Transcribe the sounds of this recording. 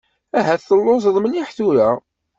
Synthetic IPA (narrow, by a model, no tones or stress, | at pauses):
æɦæθəlːosðˤməniħθuɾæ